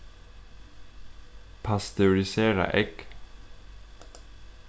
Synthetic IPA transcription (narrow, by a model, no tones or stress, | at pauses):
pʰɑst̪ʰɛʊɾɪseːɾɑ̰ʔɛk